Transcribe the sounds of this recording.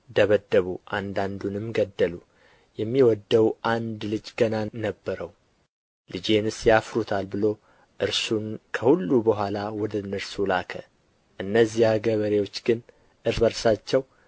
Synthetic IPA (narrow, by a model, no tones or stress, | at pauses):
d̪əβəd̪ːəβuʔand̪and̪unɨmɡəd̪ːəlu | jɛmːiwɔd̪ːəwʔand̪lɨd͡ʒɡənanəbːəɾəw | lɨd͡ʒe̞nɨsjafɾut̪ʰalbɨlo̞ | ʔɨɾsunkʰəhulːubəɦʷalawɔd̪ənɨɾsulakʰə | ʔɨnːəzːihaɡəβəɾe̞wo̞t͡ʃːɡɨn | ʔɨɾbəɾsat͡ʃːɛw